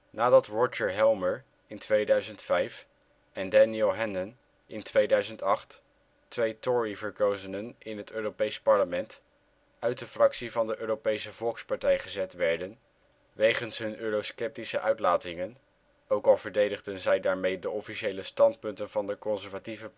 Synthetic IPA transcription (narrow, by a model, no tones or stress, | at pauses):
naːdɑtɹɔt͡ʃəɹɦɛlˠməɹ | ɪntʋejdœɥzəntfɛjf | ɛndɛniɪlˠɦɛnən | ɪntʋejdœɥzəntɑχtː | ʋejtɔɹivəɹkowzənənɪnɦətøːropejspɑɹləmɛnt | œɥt̚dəfrɑksivɑndəʔøːrowpejsəvɔlˠkspɑɹtɛjχəzɛtʋɛɹdən | ʋejχənsɦɵnʔøːrowskɛp̚tisəʔœɥtlaːtɪŋən | owkɑlˠvəɹdejdəχdənzɛjdaːɹmejdəɔfiʃejləstɑntpɵntənvɑndəkɔnzɛɹvativə